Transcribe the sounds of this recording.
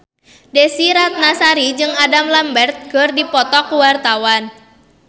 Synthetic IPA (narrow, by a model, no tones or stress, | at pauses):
desiɾat̪̚nasaɾid͡ʒɨŋadamlambɛrt̪̚ɡ̥ərdipɔt̪ɔkuwart̪awan